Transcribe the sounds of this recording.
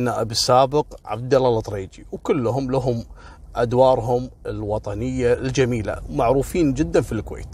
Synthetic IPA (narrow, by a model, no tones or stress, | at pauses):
nːaʔabisaːbɪqʕa̰bd̪alalt̪ˤɾeːd͡ʒiwkʊlːɦʊmlaɦʊm | ʔad̪wɑːɾˤɦʊmɪlwɑt̪ˤɑnɪjːald͡ʒamiːla̰maʕɾuːfiːnd͡ʒɪd̪ːanfilkwḛːt̪